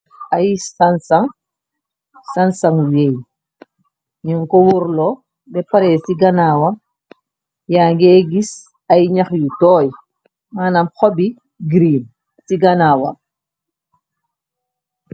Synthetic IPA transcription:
ɐjsansɐŋ | sɐnsɐŋwej | ɲuŋkɔwuɾlɔ | bɛpɐɾɛːsiɡɐnaːwɐ | jaːŋɡɛːɡis | ɐjɲɐxjutɔːj | maːnɐmxɔbi | ɡɾiːm | siɡɐnawɐ̰

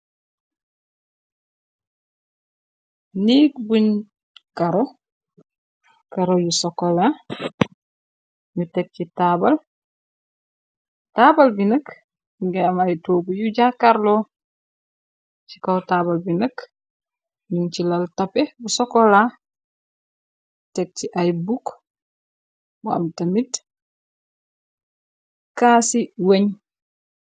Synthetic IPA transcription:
nikbuɲ | kaɾɔ | kɐɾojusɔkːɔla | ɲutɛk̚citaːbɐl | taːbɐlbinək | ɡɛmajtoːɡujuɟakaɾlo | t͡ʃi̥kawtabalbinək | nunt͡ʃilaltapɛbusɔkɔla | tɛk̚t͡ʃiʔajbuk | bua̰mtamit | kaːsiweɲ

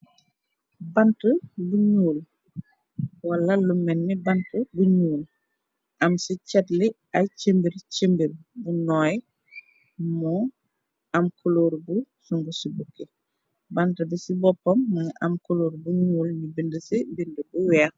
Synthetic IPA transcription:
bantəbuɲuːl | walːɐlumːɛnːibantəbuɲuːl | ʔamsicɛtli | at͡ʃembiɾt͡ʃembiɾbunɔːj | mɔ | amkʰoloɾbusuŋɡusibukːe | bantɐbisibɔpːɔmːɐɲʔamkoloːɾbuɲuːljibindəsibindəbuwɛːx

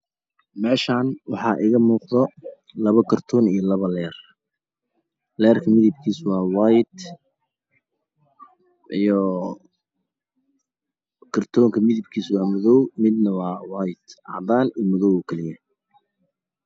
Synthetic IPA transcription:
mɛːʃaːnwɑħɑːʔɪɣɐmuːqðɔ | lɐβɐkʰɐrt̪ʰɔːnijɔlɐβɐlɛːr | lɛːrkʰɐmɪðɪb̚kʰiːswɑːwaːjd̪ | ʔijɔ | kʰɐrt̪ʰɔːŋkʰɐmɪðɪb̚kʰiːswɑːmʊðɔwmɪd̪nɐwɑːwɑːjd̪ʔɑ̰ʕd̪aːnijmʊðɔwɔːkʰɛlɪjɐ

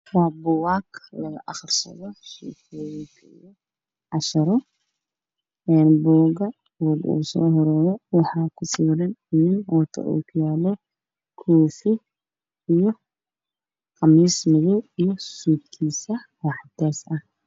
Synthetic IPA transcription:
rabɔwaːkʰlɐɣɐʔɑχrsɐ̰ðɔʃḭkʰɔːjɪnt̪ʰḭjɔ | ʕɑʃɐɾɔ | ɛːnbɔːɣɐ | bɔːɡṵːsɔ̰ːɦɔɾɔːðɛwɑħɑːkʰʊsiːɾɐnɪnɪnwɑt̪ʰɐ̰ʔṵːkʰʊjaːlɔ | kʰɔːfɪ | ijɔ | qɑmiːsmɪðɔwijɔsuːd̪kʰiːsɐwɑːħd̪ɛːsɐh

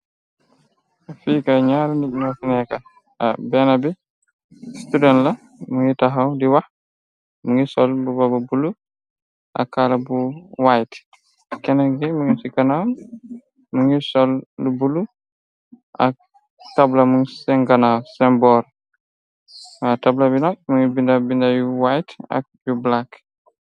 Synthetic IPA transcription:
afiːkaɲaɾundimafinɛka | bɛnabi | studɛntla | muŋitaɦawdiwah | muŋisɔlbubababulu | ʔa̰kːalabuwajt | kɛnɛɡɛmuŋisiɡɐnaw | muŋisɔldubulu | ʔɐk̚ | tablamuŋsɛŋɡɐnawsɛmbɔːɾ | atablabinak̚muŋibindabindajuwajtɐ̰k̚jublak

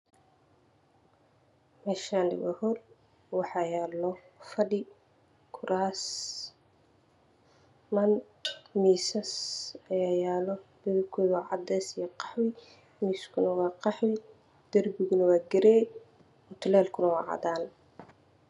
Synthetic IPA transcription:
mɛːʃaːnlɪ̰wɐ̰hɔr | wɑħɑːjaːlɔ | fɐɖɪ | kʰʊɾʔaːs | mɐn | miːsɐsɐjaːjaːlɔb̥ɛwɪkʰɔːjwɑːʕɑ̰d̪ɛsijɔqɑ̥ħwɪ | miːskʰʊnɐwɑːqɑħwɪ | d̪̥ɐrbɪɣʊnɐwaːɡɛɾɛː | ɔt̪ʰʊlɛːlkʰʊnɐwɑ̰ːʕɑ̰d̪aːn

